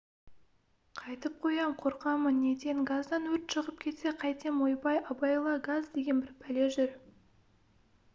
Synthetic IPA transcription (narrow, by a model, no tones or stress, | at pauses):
qʰɑjt̪əp̚qʰo̞jɑmqʰo̞ɾqɑməne̞t̪e̞ŋɡazd̪ɑnwɵɾt̪ʃəʁəp̚kʲʰe̞t̪se̞qʰɑjt̪ʰemojpɑjɑbɑjlˠɑɡazd̪e̞ɡʲe̞nbɪɾpʰæle̞ʒʏɾ